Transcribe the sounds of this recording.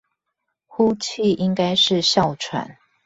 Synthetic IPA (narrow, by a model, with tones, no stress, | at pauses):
xu˦t͡ɕʰi˥˨ʔi˦ŋka˦ɪʂɻ̩˥˨ɕjɑ˥˨ʊʈ͡ʂʰwa̰˨˦n